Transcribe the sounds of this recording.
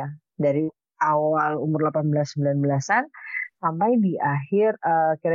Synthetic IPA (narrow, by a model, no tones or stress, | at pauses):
a | daɾi | awalumʊrlapanbəlasəm̩bilanbəlasansampajdiʔahɪrəkiɾa